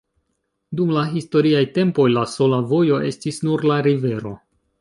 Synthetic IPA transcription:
dumlaɦisto̞ɾiajte̞mpo̞jlaso̞lavo̞jo̞ʔe̞stisnuɾlaɾive̞ɾo̞

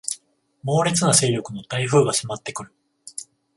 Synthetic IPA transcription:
mo̞ːɾʲet͡sɨnase̞ːɾʲo̞kɯ̟no̞t̪aiɸɯ̟ːɡaɕimat̪ːe̞kɯ̟ɾɯ̟

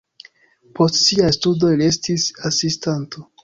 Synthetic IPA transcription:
pʰo̞stsiastudo̞lie̞stisasistanto

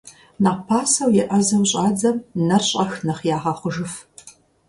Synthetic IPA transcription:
naːpʰaːsɐwjɪʔɐzɐmɕʼɑːd͡zɐmnɐrɕʼɐxnɐχjaːʁɑːχʷʊʒɨf

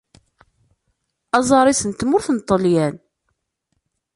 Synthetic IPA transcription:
ɑzˤɑɾˤisənt̪mʊɾθənt̪ˤːəljæn

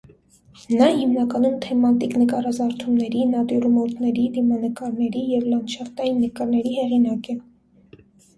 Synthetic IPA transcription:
nɑhimnɑkɑnumt̪ʰɛmɑt̪iknəkɑrɑzɑɾt̪ʰumnɛɾinɑt̪jɔɾumɔt̪nɛɾid̪imɑnəkɑɾnɛɾijɛvlɑnʃɑft̪ɑjinːəkɑɾnɛɾihɛʁinɑkɛ

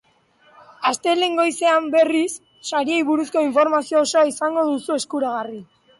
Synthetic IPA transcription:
ast̪e̞leŋɡo̞jse̞ambe̞risː | aɾiejβuɾusko̞iɱfo̞ɾmasio̞ːso̞aisaŋɡo̞ðusue̞skuɾaɣ̞ari

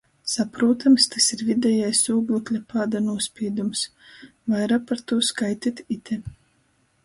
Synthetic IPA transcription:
sapɾuːt̪ʰamst̪asiɾvʲid̪ʲɛjajsuːɡlˠuklʲapaːd̪anuɔsʲpʲiɛd̪ums | vajɾapaɾt̪uɔskajt̪ʲit̪ʲit̪ʰʲɛ

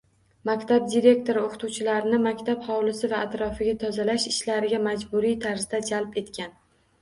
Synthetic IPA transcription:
makʲt̪ʰab̚d̪iɾe̞k̚ʲt̪ʰo̞ɾɪoqʰɨ̥t̪uwt͡ʃʰɪlaɾɪnɪmakʲt̪ʰaphɒwlɪsɪvaːt̪ɾɒfɪɡʲat̪ʰɒzalaʃɪʃlaɾɪɡʲamad͡ʒbʊɾijt̪ʰaɾzd̪ad͡ʒalpe̞t̪kʲʰan

